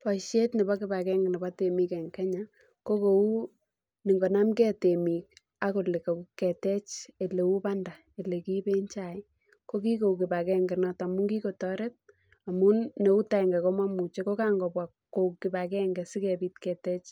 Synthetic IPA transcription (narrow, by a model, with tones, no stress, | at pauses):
pɔ˨ʃe˦tnɛ˨bɔ˦kɪ˦ba˨kɛ˦ŋɡɛ˨nɛ˨ba˦te˨mi˦kɛ˨ŋkɛ˦ɲa˨ | ko˦ko˨u˦ | ni˨ŋɡo˨na˦mkɛ˦te˨mi˨k̚ | a˦ko˨le˨ko˨ku˦kɛ˨tɛ˦t͡ʃe˨le˨wu˦pa˦nda˨ | e˨le˨ki˦pe˦ɲt͡ʃa˨j | ko˦k̬i˦ko˨ukɪ˨ba˨kɛ˦ŋɡɛ˨nɔ˦ta˨mu˦ŋɡi˦ko˨tɔ˦ɾe˦t̚ | a˨mu˦ne˨u˦ta˦˨ɛ˨ŋɡɛ˨ko˦ma˦mu˨t͡ʃeko˦ka˦ŋɡɔ˨bwa˨kːo˨kɪ˨ba˨kɛ˦ŋɡɛ˨si˦kɛ˨bi˦tkɛ˨tɛ˦t͡ʃ